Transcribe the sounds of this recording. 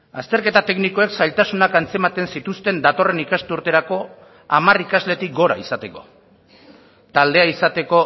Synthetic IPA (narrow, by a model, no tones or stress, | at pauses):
ast̪e̞ɾke̞t̪at̪e̞kniko̞e̞ksajlt̪asunakant͡se̞mat̪e̞nsit̪ust̪e̞nd̪at̪o̞re̞nikast̪euɾt̪e̞ɾako̞ | amarikazle̞t̪ik̚ɡo̞ɾaisat̪e̞ko̞̰ | t̪ald̪e̞aisat̪e̞ko̞